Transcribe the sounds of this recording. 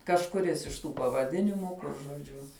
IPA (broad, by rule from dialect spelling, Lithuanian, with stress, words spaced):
kɐʃkʊˈrʲɪs ɪʃ ˈtuː pɐʋɐˈdʲɪnʲɪmuː ˈkʊr ʒoːˈd͡ʒʲʊ